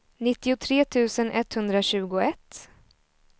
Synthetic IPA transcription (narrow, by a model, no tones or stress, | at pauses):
nɪt̪ːɪʊt̪ʰɾeːt̪ʰʉ̟ːsənʔɛt̪hɵnd̪ɾaɕʉ̟ːɡʊɛt̪ː